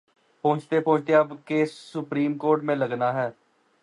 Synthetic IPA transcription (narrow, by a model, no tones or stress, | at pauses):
põːt͡ʃt̪eːpõːt͡ʃt̪eəbkeːsʊpɾiːmkoːɾʈmẽːləɡnaːɦɛː